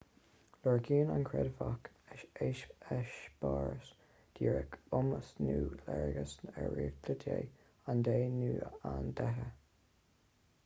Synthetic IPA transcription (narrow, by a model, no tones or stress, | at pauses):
ləɹɡiːnankʰɹɛdvak | ɪʃeːʃɛʃb̥ɑːɹəs | d̪̥iːɹəkʊməsnuːlɛɹɡəsnɛɹiːkd̪ʰədeː | and̪eːnuːand̪ɛɦə